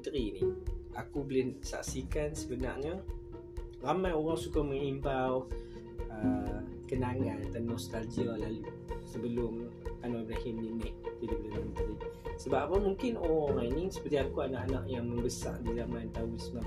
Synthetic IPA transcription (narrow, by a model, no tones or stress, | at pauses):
t̪əɾiniʔakubəlɪnsa̰ʔsikansəbəna̰rɲə | ramãjoɣaŋsukamə̃ŋimbaw | ə | kənaŋant̪anːɔst̪alɡialalu | səbəlʊm | anɔjbɾahɪnninɪʔt̪idabəlɪməmət̪əɾisəbaʔapəmuŋkɪnoɣaŋajnisə̥pəɾt̪iakuana̰ʔana̰ʔjaŋməmbəsa̰rdizamãnt̪awisna